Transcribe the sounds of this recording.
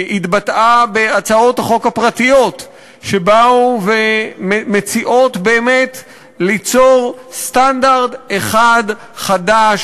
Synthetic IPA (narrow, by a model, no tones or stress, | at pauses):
itbatʔabeat͡sao̞thaχo̞khapʁatijo̞t | ʃe̞bauvememet͡siʔo̞tbe̞ːme̞t | lit͡so̞ʁst̪andaʁde̞χad | χadaʃ